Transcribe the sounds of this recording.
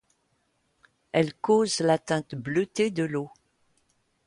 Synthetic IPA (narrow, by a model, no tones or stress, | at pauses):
ɛlkozlat̪ɛ̃t̪bløt̪ed̪əlo